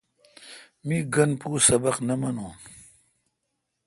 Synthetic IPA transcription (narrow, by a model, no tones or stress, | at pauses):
miɡɐnpuːsɐbɐqnɐmɐnũːn